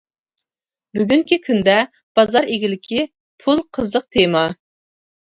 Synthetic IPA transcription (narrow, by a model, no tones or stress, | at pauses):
byɡʲyŋkʲikʲʰynd̪ɛ | b̥ɑzɑɾeɡʲilɪkʲʰi | pʰulˠqʰəzəq̚t̪ʰejmɑ